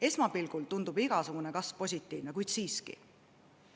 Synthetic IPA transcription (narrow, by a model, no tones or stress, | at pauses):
e̞smɑpilɡ̥ult̪und̪ubiɡ̥ɑsuɡ̥une̞kɑsvpo̞sʲit̪ːˑiːvnekujd̪siːskḭ